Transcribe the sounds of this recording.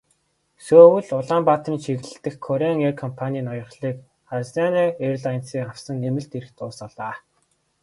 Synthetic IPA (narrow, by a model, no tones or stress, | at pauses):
soːwɘ̆ɮʊɮaːmpat̪riːnʃʰiɣ̆ɮɘɬt̪ɘ̆xkʰːɔɾeŋerkʰɔmpʰanʲiːnɔjɞ̆χɮiːk | χasaneːeɾ̆ʲɮajə̆nsiːŋaw̥sə̆ŋːemɘ̆ɬt̪eɾɘ̆kt̪ʰʊːsaɮaː